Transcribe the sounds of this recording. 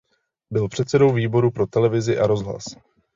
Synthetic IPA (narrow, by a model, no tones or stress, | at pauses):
bɪlpr̝̥ɛt̪sɛdo̞wviːbo̞ɾupɾo̞t̪ɛlɛvɪzɪʔaɾo̞zɦla̰s